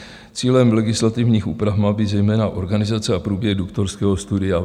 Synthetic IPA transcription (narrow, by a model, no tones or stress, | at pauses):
t͡siːlɛmlɛɡɪslat̪ɪvɲiːxʔṵːpɾavmaːbizɛjmɛːnaʔo̞ɾɡanɪzat͡sɛapɾuːbjɛɣdukt̪oɾskɛːɦo̞st̪udɪja